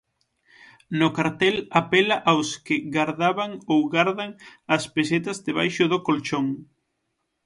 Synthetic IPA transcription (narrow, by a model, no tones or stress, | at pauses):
nʊkaɾt̪ɛlapɛlaʔawskɪɣaɾðaβaŋowɣaɾðɐŋɐspeset̪ɐzðeβa̰jʃʊðokolt͡ʃoŋ